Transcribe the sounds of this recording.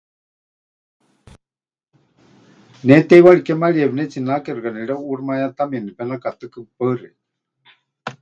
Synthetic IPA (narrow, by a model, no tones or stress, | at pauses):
nɛt̪ɛjwaɺikɛmaɺiɛβnɛt͡sinakɛrkanɛɺɛuɽmajat̪amiɛnipɛnakat̪ɨkɨpərḭ